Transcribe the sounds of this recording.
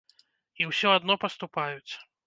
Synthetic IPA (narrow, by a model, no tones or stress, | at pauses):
iwsʲɔad̪nɔpɐst̪upajut͡sʲ